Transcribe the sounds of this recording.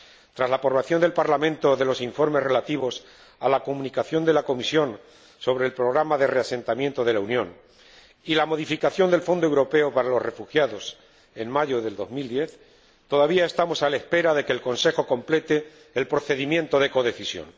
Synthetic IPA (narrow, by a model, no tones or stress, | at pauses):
t̪ɾazlapoɾβaθjo̞nd̪e̞lpaɾlamẽ̞nt̪oðe̞lo̞siɱfo̞ɾme̞sre̞lat̪iβos | alako̞mũnikaθjo̞nd̪e̞lako̞misjo̞n | so̞β̞ɾe̞ːlpɾo̞ɣɾamaðe̞rease̞nt̪amje̞nt̪o̞ð̞e̞launjõ̞n | ilamo̞ðifikaθjo̞nd̪e̞lfo̞nd̪owɾo̞pe̞opaɾalo̞zre̞fuxjaðo̞s | e̞nmaʝoðe̞ld̪o̞zmild̪je̞θ | t̪o̞ðaβiae̞st̪amo̞salaespe̞ɾaðe̞keːlko̞nse̞xo̞kõ̞mple̞t̪eː | lpɾo̞θe̞ðimjẽnt̪o̞ðe̞ko̞ð̞e̞θisjo̰n